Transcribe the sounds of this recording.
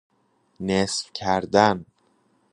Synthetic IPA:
esfcʰæɾd̪æn

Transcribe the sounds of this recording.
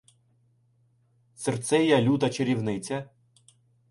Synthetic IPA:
sert̪sɛjɐlʲut̪ɐt͡ʃeɾʲiwnɪt͡sʲɐ

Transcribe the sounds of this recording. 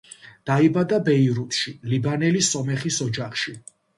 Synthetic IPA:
d̪̥aibad̪abɛiɾut̪ʃilibanɛlisɔmɛχisɔd͡ʒaχʃi

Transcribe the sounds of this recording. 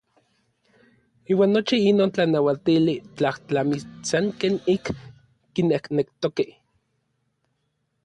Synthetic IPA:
iːwaːnːot͡ʃiinoːnt͡ɬanawat̪ilit͡ɬaht͡ɬamisaŋkeːnikː | inehknekt̪okeh

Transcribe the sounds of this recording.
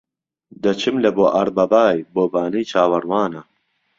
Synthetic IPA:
d̪ɐt͡ʃʰɨmlɐboːʔɐɾbɐbaːjboːbaːnijt͡ʃʰaːwɐɾwaːnɐ

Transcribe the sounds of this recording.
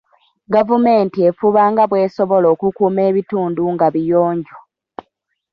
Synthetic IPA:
ɡavume̞ːntie̞fuβaːŋɡaβwe̞ːso̞βo̞lo̞ːkukuːme̞ːβituːnduŋɡaβijoːɲɟo

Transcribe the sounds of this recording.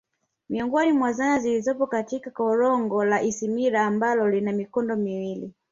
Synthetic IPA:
miɔŋɡɔnimwazanazilizɔpɔkatikakɔɾɔŋɡɔlaʔisimiɾaːmbalɔlinamikɔndɔmiwili

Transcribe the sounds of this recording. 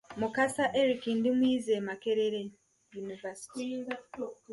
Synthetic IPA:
mukasaʔeɾikindimwiːzemake̞ɾeɾe | junivasi̥ti

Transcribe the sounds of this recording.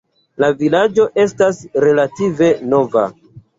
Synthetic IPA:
lavilad͡ʒo̞ʔe̞stasɾe̞lative̞no̞va̰

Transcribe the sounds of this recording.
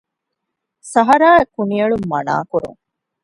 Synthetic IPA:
sɐɦɐɾaːekuniɐɭumːɐ̰na̰ːkuɾṵŋ

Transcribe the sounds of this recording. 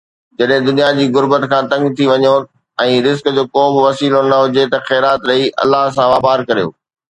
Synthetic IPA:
d͡ʑɐɗɦɪ̃d̪ʊnijad͡ʑiːɣʊɾbət̪kʰãːt̪ɐ̃ŋɡt̪ʰiʋɐɲjo | ɛ̃ːɾɪzkd͡ʑoːkoːbɪʋɐsiːlonɐɦʊd͡ʑet̪ɐxɛːɾaːt̪ɾɐiʔɐ̰lːaɦs̬ãʋaːbaːɾkɐɾijo̰ː

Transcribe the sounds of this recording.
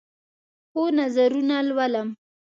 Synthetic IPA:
xonazaɾunalwaləm

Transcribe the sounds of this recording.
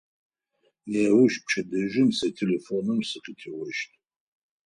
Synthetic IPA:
jawʷʊʃp̚t͡ʃʰɐdɐʒʷɪmsɐtʰelefonɨmsɨqʼitʰiwɐʃtʼ

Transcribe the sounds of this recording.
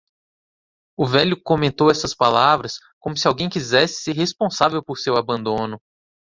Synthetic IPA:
ʊvɛlʲʊkomẽnt̪owɛsɐspalavɾɐs | kõmʊsiawɡẽj̃kizɛsɪ̥seɾhespõsavewpoɾsewabɐ̃nd̪õnʊ

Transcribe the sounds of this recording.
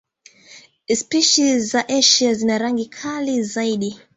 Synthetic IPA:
spiʃizaʔɛʃiazinaɾaŋɡikʰalizaiɗi

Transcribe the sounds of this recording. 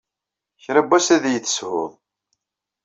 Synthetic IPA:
çɾæbæsæðjəθə̥shʊ̰ðˤ

